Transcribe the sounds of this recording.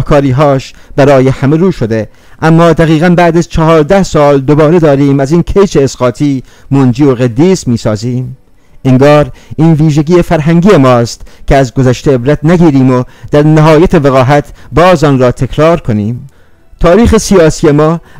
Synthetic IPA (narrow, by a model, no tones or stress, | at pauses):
hkʰɒːɾiːɦɒːʃb̥æɾɒːje̞hæme̞ɾuːʃo̞d̪e̞ | ʔæmːɒːd̪æɣiːɣænbæːd̪æzt͡ʃʰɒɦɒːɾd̪æhsɒːld̪obɒːɾe̞d̪ɒːɾiːmæziːnkʰejt͡ʃe̞ːsɢɒːt̪ʰiːmond͡ʒiːoɣed̪ːiːsmiːsɒːziːm | eŋɡɒːɾiːnviːʒeɡiːefæɾɦæŋɟiːemɒːst̪kʰeæzɡozæʃt̪eebɾæt̪næɡiːɾiːmod̪̥æɾnæɦɒːjæt̪ʰe̞veɣɒːɦæt̪ʰbɒːzɒːnɾɒːt̪ʰe̞kʰɾɒːɾkʰo̞niːm | t̪ʰɒːɾiːxe̞sijɒːsijemɒː